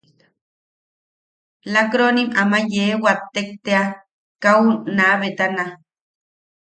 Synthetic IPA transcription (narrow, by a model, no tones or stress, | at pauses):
lakɾonimamajewat̪ːek̚t̪ea | kaunaβet̪ana